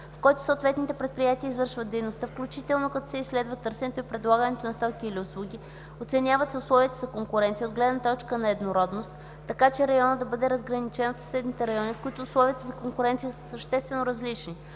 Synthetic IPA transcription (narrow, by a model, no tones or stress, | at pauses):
fkɔjt̪ʊ̥sot̪vɛt̪nit̪ɛpɾɛt̪̚pɾijat̪iəizvɤɾʃvət̪ːɛjnost̪afklʲut͡ʃit̪ɛlˠnokɐt̪ɔsɛisːlɛd̪vət̪ɤɾsɛnɛt̪oipɾɛd̪lˠaɡənɛt̪onɐst̪ɔkʲiːliʊslˠuɡʲi | ot̪sɛnʲjavət̪sɛʊslˠɔviət̪əzɐkoŋkʊɾɛnt̪siəod̪ɡlɛd̪nət̪ɔt͡ʃkənɐɛd̪noɾɔd̪nost̪ː | ɐkat͡ʃɛɾɐjɔnəd̪ɐbɤd̪ɛɾɐzɡɾɐnit͡ʃɛnot̪sɐ̥sɛd̪nit̪ɛɾɐjɔnʲifkʊit̪ʊʊslˠɔviət̪əzɐkoŋkʊɾɛnt̪sijəsəsəʃt̪ɛst̪vɛnoɾɐzlit͡ʃni